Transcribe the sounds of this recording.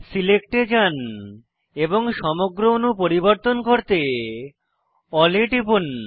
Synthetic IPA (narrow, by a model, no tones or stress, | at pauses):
silek̚ʈed͡ʑan | eboŋʃɔmoɡɾoonupoɾiboɾt̪onkoɾt̪e | ɔleʈipun